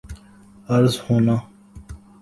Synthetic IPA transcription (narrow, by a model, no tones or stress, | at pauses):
ɐɾzhoːna